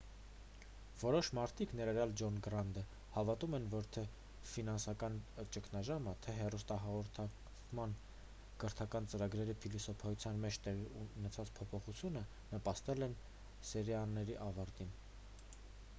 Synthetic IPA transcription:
vɔɾɔʃmɑɾt̪ʰiknɛɾɑɾjɑld͡ʒɔnɡɾɑnd̪ə | hɑvɑt̪umɛnvɔɾt̪ʰɛ | finɑnsɑkɑnt͡ʃəkʰnɑʒɑmət̪ʰɛɦɛrust̪ɑɦɑʁɔɾt̪ʰɑk | mɑn | ɡ̥əɾt̪ʰɑkɑnt͡səɾɑɡɾɛɾipʰilisɔpʰɑjut͡sʰjɑnmɛt͡ʃʰt̪ɛʁinɛt͡sʰɑt͡spʰɔpʰɔχut͡sʰjunə | nəpɑst̪ɛlɛn | sɛɾjɑnːɛɾiʔɑvɑɾt̪in

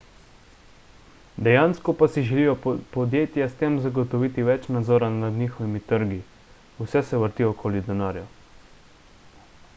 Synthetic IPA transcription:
d̪ɛjaːnskɔpasiʒɛlijɔpɔd̪jeːt̪jast̪eːmzaɡɔt̪ɔʋiːt̪iʋɛt͡ʃnad̪zɔːɾanad̪nixɔʋimit̪əɾɡi | usɛsɛʋəɾt̪iːɔkʰoːlid̪ɛnaːɾja

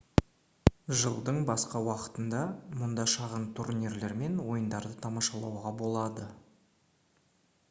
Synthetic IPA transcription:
ʒəlˠd̪əɴbɑsqɑwɑqə̥t̪ənd̪ɑmʊnd̪ɑʃɑʁənt̪ʰurniɾle̞ɾme̞nwo̞jənd̪ɑɾd̪ət̪ʰɑmɑʃɑlˠɑ̰wʁɑbo̞lˠɑd̪ə

